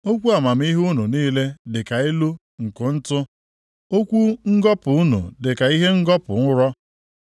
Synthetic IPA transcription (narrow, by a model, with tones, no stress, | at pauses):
o˦kʷu˦a˨ma˨m̩˦i˦ɦu˦nu˨niː˦le˦dɪ˨ka˨e˦lu˦ | ŋ̩˨kʊ˨n̩˦tʊ˦ | o˦kʷu˦ŋ̩˦ɡɔ˦pʊ˨u˦nṵ˨dɪ˨ka˨i˦ɦe˦ŋ̩˦ɡɔ˦pʊ˨ŋʊ˦ɾɔ˦